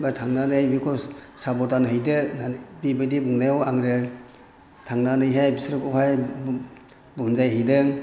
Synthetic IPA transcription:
batʰaŋnanɯjbikʰɔsabɔtanɦɯjdɯnabibɯdibuŋnajɔwaŋɾɯ | tʰaŋnanɯjɦajbisɾɯkɔwɦaj | bunzajɦɯjdɯ

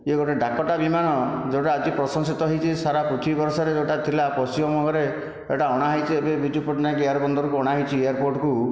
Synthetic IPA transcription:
eɡɔʈeɖakɔʈabimanɔd͡ʒewʈaːd͡ʒipɾɔsɔŋsit̪ɔɦɔjt͡ʃʰisaɾapɾɔt̪ʰibbɔɾsɔɾed͡ʒewʈat̪ʰilapɔsibɔmɔɡɔɾe | eʈaɔɽ̃aɦɔjt͡ʃʰiebebʱid͡ʒupɾɔʈnakejaɾbɔnd̪ɔɾɔkuɔɽ̃aɦɔjt͡ʃʰiejaɾpoɾʈɔku

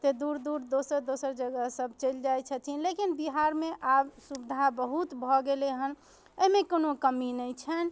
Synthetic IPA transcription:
t̪ed̪uɾd̪uɾd̪osəɾd̪osəɾd͡ʒəɡəɦsəbt͡ʃəld͡ʒajt͡ʃʰət̪ʰinlekinbiɦaɾmeʔabsubid̪ʱabəɦut̪bʱɔɡeleɦən | əɦimekonokəminəjt͡ʃʰən

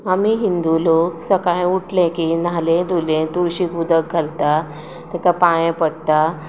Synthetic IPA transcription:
amiɦind̪uloksəkajuʈlẽkinalẽd̪ulẽt̪uɽɕikud̪ək̚ɡʱəlt̪a | t̪ɛkapajẽpəɽt̪a

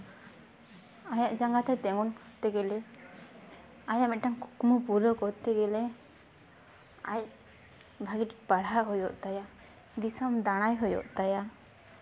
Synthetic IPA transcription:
ajaʔd͡ʒaŋɡat̪at̪ɛŋɔnkɔt̪ɛɡɛlɛ | ajaʔmɛt̪̚ʈaŋkkmupuɾɔkɔt̪ɛɡɛlɛ | a̰j | bʱaɡiʈi̥k̚paɽaʔɦɔjɔʔt̪aja | d̪isamd̪aɽ̃ajɦɔjɔ̰ʔt̪aja

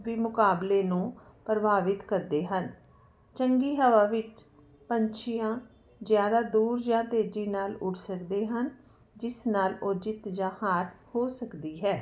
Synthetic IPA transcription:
ʋiːmʊkaːbleːnũːpɾəbaːʋɪt̪kəɾd̪eːɦən | t͡ʃəŋɡiːɦəʋaːʋɪt͡ʃ | pəɲt͡ʃʰɪjãː | zjaːd̪aːd̪uːɾd͡ʒãːt̪eːd͡ʒiːnaːlʊʈʰsəkd̪eːɦən | d͡ʒɪsnaːlʊd͡ʒɪt̪d͡ʒãːhaːɾhoːsəkd̪iːɦɛː

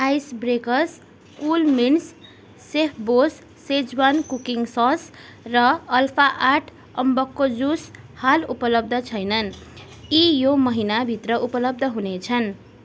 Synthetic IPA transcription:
ajsbrekʌs | kulminsː | epʰbosːed͡zwankukiŋsʌs | rʌʌlpʰaʔaʈʰ | ʌmbʌkːod͡zushalupʌlʌb̚d̪ʱʌt͡sʰʌjnʌn | ijomʌɦinabʱit̪rʌʔupʌlʌb̚d̪ʱʌɦunet͡sʰʌn

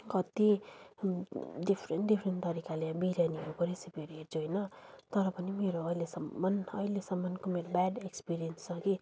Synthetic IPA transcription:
kʌt̪i | dipʰrenʈɖipʰrent̪ʌɾikaleãbiɾjaniɦokʌɾesipeɾɦert͡sʰuɦʌjnʌt̪ʌɾʌpʌnimeɾoʌilesʌmːʌnʌ̰ilesʌmːʌnkomeɾobaɖekspiɾijensʌ̃ki

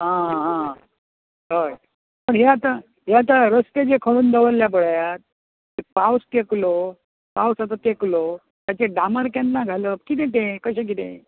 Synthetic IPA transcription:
ɦãɦãɦã | ɦəj | pəɳɦeat̪a | ɦeat̪aɾəst̪ed͡ʑekʰəɭuːnd̪əʋəlːjap̬əɽ̤ajat̪̚ | epawsk̪eklo | pawsat̪̬at̪eklo | t̪jat͡ɕeɖaməɾkanːaɡʱaləkit̪̬ẽt̪ẽkəɕẽk̬it̪ḛ̃

